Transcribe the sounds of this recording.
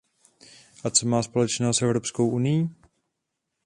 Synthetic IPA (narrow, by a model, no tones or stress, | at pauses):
ʔat͡somaːspo̞lɛt͡ʃnɛsʔɛvɾopskowʔunɪjiː